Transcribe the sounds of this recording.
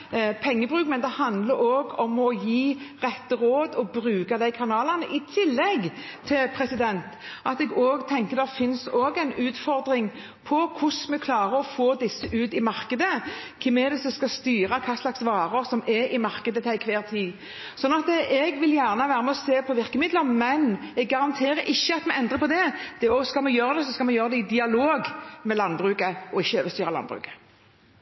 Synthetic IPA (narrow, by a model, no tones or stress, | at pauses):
pʰɛŋːəbʁʉːkmɛnd̪ɛhɑnd̪ləɾoːɡɔmɔjiːʁɛt̪ːəʁoːd̪ɔbɾʉːkɑd̪æɪkʰɑnɑːlɑʁnəʔɪt̪ʰɪlːɛɡt̪ʰɪlpʰʁɛsɪd̪ɛnt̪ʔɑt̪ɛɡoːɡt̪ʰɛŋkəd̪ɛʁfɪnsoːɡɛɪnʉːt̪fɔʁd̪ɾɪŋ | pʰɔkʰʊsmɛkʰlɑːʁəɔfoːd̪ɪsːəʔʉːt̪ɪmɑʁkəd̪əkʰɛmɛd̪ɛsɔskɑst̪yːɾɑkʰɑːslɑksʋɑːɾəsɔmɛʔɪmɑʁkəd̪ət̪ʰæɪkʰʋeːʁt̪ʰiː | sɔnːɑt̪əɛɡʋɪljæːʁnəʋæːʁəmɛɔseːpʰɔʋɪʁkəmɪd̪lənmɛnɛɡːɑʁɑnt̪ʰeːɾəɾʔɪçːəɑt̪mɛɡɛnd̪ʁəpʰɔd̪ɛd̪̥ɛoskɑlmɛjøːɾəd̪ɛs̬ɔskɑlmɛjøːʁəd̪ɛɪd̪ɪɑloːɡmɛlɑnbʁʉːkəɔɪçːəøːʋəst̪yːɾɑlɑ̰nbʁʉ̰ːkə̥